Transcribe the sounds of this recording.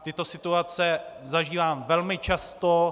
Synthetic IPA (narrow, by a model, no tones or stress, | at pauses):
t̪ɪt̪o̞sɪt̪uat͡sɛzaʒiːvaːmvɛlmɪt͡ʃast̪o